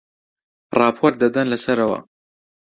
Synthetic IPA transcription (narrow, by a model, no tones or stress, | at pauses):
rɑːpʰoɾt̪̚d̪ɐd̪ɐnlɐsɐɾɐwɐ̰